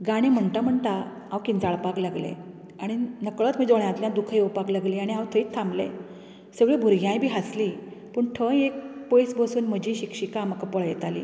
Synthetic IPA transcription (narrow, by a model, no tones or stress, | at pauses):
ɡaɽ̃ẽm̤əɳt̪am̤əɳt̪a | ãwkind͡zaɭpaklaɡlḛ | aɽ̃inəkɭət̪m̤iːd͡zoɭjat̪ljãd̪ukʰəjowpaklaɡliːaɽ̃iɦãwt̪ʰəiːt̪ʰːãmlḛ̃ | səɡɭebʱuɾɡʱjãjbʱiːɦaslipəɳʈʰə̃jek̚pojsbəsuːnm̤əd͡ʑiːɕikʂikamakəpəɭjɛt̪alḭː